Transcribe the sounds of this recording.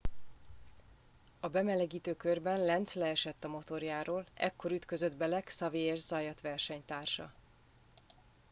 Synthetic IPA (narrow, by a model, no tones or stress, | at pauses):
ɒbɛmɛlɛɡiːt̪øːkørbɛnlɛnt̪slɛːʃɛt̪ːɒmo̞t̪o̞rjaːɾoːlɛ̰kːo̞ɾyt̪kø̞zød̪bɛlɛksɒveːjɛʒzɒjɒt̪ʋɛrʃɛɲt̪aːrʃɒ̰